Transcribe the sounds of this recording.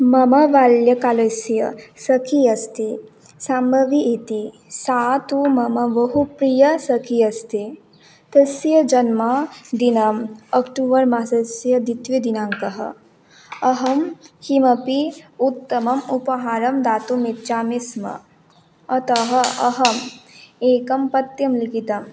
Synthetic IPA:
mɐmɐʋaːljɐkaːlɐsjɐsɐkʰiɐst̪i | sambɐʋiʔit̪i | saːt̪umɐmɐʋɐɦupɾijɐsɐkʰiɐst̪i | t̪ɐsjɐd͡ʒɐnmɐd̪inɐmɐkʈuːʋɐɾmasɐsjɐd̪it̪ʋid̪inaːŋkɐɦɐ̰ | ɐɦɐmhimɐpiut̪ːɐmɐmupɐɦaːɾɐmd̪aːt̪umitt͡ʃaːmismɐ̰ | ɐt̪ɐɦɐɐ̰ɦɐmeːkɐmpɐt̪jɐmlikit̪ɐm

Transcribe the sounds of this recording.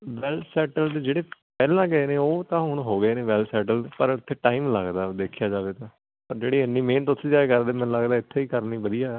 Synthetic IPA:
ʋɛːlʈsɛːʈəlt̪ːd͡ʒeːɽeːpɛːlãːɡəeːneːoːt̪ãːɦʊɳ̃ɦoːɡəeːneːʋɛːlsɛːʈəlpəɾʊt̪ʰːeːʈaːiːmləɡd̪aːd̪eːkʰjaːd͡ʒaːʋeːt̪ãː | pəɾd͡ʒeːɽiːənːiːmeːnt̪ʊt̪ʰːĩːd͡ʒaːekəɾd̪eːmɛ̃ːnləɡd̪aːɪt̪ʰːeːiːkəɾniːbəd̪ijaː

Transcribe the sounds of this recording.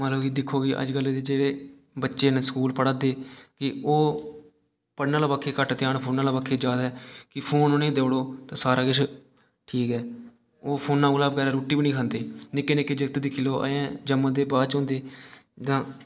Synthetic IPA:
mət̪ləbiːd̪ɪkʰːoːɡiːʔə̰d͡ʒɡəlːeːd̪eːd͡ʒeːɽeː | bətːʃeːnsə̥kuːlpəɽaːd̪eːkɪoː | pəɽnãːlaːbaːkʰːeːkəʈt̪ɪjaːnpʰoːnaːlaːbaːkʰːeːd͡ʒaːd̪aɦɛːkɪpʰoːnonẽːd̪eːɽoːt̪ãːsaːɾaːɡɪʃʰ | ʈʰiːkɦɛː | oːpʰoːnːãːuːlaːbəɡɛːɾaːɾoːʈiːbiːnĩːkʰə̃ːnd̪eːnɪkːeːnɪkːeːd͡ʒəkt̪d̪ɪkʰiːloːʔə̰jẽːd͡ʒəmːãːd̪eːbaːt͡ʃõːnd̪eːd͡ʒ̪ãː

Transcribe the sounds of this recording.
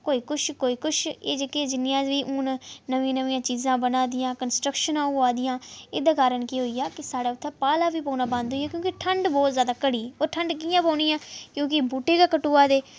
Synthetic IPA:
koːiːkʊʃkoːiːkʊʃʰeːd͡ʒeːkeːd͡ʒɪnɪjãːʋiːʔʊnnəʋĩnəʋĩːãːt͡ʃiːzãːbənaːd̪ɪjãːkənsʈɾəkʃənãːaːd̪ɪjãːeːd̪aːkaːɾəɳkiɦoːiːaːkɪsaːɽaːʊt̪ʰːɛ̃ːpaːlaːʋiːpõːnaːbãnd̪ɦoːijaːkjõːkɪʈʰəɳɖbɔːt̪zjaːd̪aːkəɽiːɛoːʈʰəɳɖk̬iːjãːpoːniːãːkjõːkɪbuːʈeːkaːkəʈuːaːd̪eː

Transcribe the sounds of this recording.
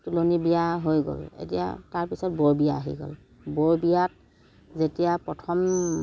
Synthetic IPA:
tulonibijaɦojɡo̰lḛtija̰taɹpisɔt̚bɔɹbijaːɦḭɡo̰l | bɔɹbijat̚ | zetijapɹɔtʰɔm

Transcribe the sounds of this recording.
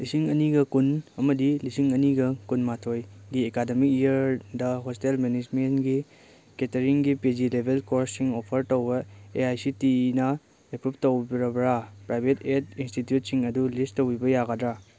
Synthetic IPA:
lisiŋɐniɡɐkunɐmɐdilisiŋɐniɡɐkunmatʰojɡiekademikijɐɾdɐɦostelmenid͡ʒmenɡi | ketɐɾiŋɡiped͡ʒilebʱelkoɾsiŋopʰɐɾtowbɐeajsitinɐ | epɾup̚towbɾɐbɾapɾajbʱetetinstitjut̚siŋɐdulisttːowibɐjaɡadɾa

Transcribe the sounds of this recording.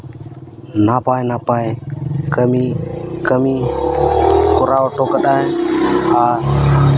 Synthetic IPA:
napajnapajkəmikəmi | kɔɾaɔʈɔkəɗaj | a

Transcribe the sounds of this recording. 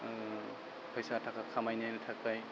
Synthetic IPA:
pʰʌjsatʰakakʰamajniajnɯtʰak̚paj

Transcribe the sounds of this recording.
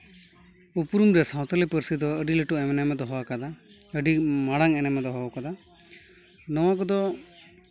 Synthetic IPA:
upɾumɾɛsaw̃t̪ɔlipəɾsid̪ɔəɖiləʈuɛmɛnɛmɛd̪ɔɦɔwakad̪a | əɖimaɽaŋɛnɛmɛd̪ɔɦɔakad̪a | nɔwak̬ɔd̪ɔ

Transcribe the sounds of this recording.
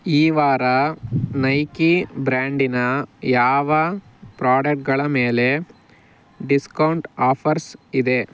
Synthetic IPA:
iːʋaːɾɐnɐjkibɾaːɳɖinɐjaːʋɐ | pɾaːɖɐk̚ʈ̚ɡɐɭɐme̞ːle̞ | ɖiskɐwɳʈaːpʰɐɾsid̪e̞

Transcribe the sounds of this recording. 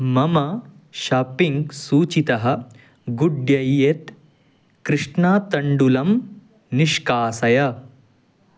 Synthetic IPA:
mɐmɐ | ʃɐːpiŋɡsuːt͡ʃit̪ɐɦɐ̆ | ɡuɖjɐjet̪ | kɾɨʂɳaːt̪ɐɳɖulɐm | niʃkaːsɐjɐ

